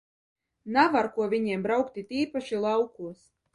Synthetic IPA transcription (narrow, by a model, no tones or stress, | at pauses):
navaɾkuɔvʲiɲiɛmbɾawkt̪ʲit̪iːpaʃilˠawkuɔs